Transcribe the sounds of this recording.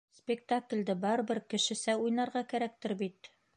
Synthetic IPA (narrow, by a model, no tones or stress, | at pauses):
spʲɪk̚t̪aklʲd̪ɘbɒɾbɘɾkɘ̆ʃɘ̆sæujnɑɾʁɑkæɾæk̚t̪ɘɾbit̪